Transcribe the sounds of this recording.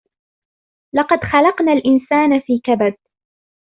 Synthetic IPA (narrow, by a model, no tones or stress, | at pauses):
lɑqɑd̪xɑlɑqnaːlʔɪnsaːnafiːkabad̪̚